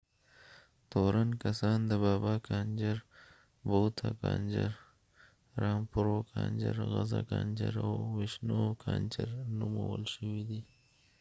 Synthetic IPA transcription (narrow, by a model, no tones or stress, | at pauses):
t̪oɾʔankɐsɑːnd̪əbɑːbaːkɑnd͡ʒəɾ | bot̪ʰakɑːnd͡ʒəɾ | ɾɑːmpʊɾokʰɑːnd͡ʒəɾɣazakɑnd͡ʒəɾawwɪʃnokʰɑnt͡ʃəɾnuməwəlʃəwid̪i